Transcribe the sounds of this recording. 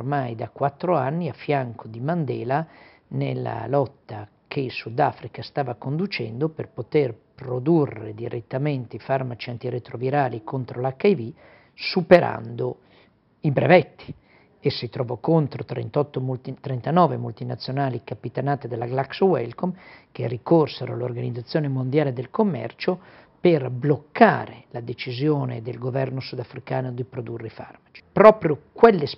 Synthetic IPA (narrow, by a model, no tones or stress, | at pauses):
rmajd̪akwat̪ːɾoanːiafːjaŋkʰod̪imand̪ɛːla | nelːa̰lɔt̪ːa | kʰesud̪afɾikast̪aːvakond̪ut͡ʃɛ̰nd̪operpot̪erpɾod̪urːḛd̪iɾet̪ːament̪eifarmat͡ʃiant̪iɾet̪ɾoviɾaːlikʰont̪ɾolakajvi | supeɾa̰nd̪o | ibɾḛvɛt̪ːi̥ | esːit̪ɾɔvɔkont̪ɾot̪ɾḛnt̪ɔt̪ːomult̪it̪ɾent̪anɔːvemult̪inat̪sːjonaːlikapit̪anaːt̪ed̪elːaɡlakswɛ̰lkomkerːikorseɾo̰lorɡanid̪zat̪sːjoːnemond̪jaːled̪elkomːɛ̰rt͡ʃoperblokːa̰ːɾelad̪et͡ʃizjoːned̪elɡovɛrnosud̪afɾikaːnod̪ipɾod̪urːeifa̰rmat͡ʃi̥pɾɔːpɾjokwelːes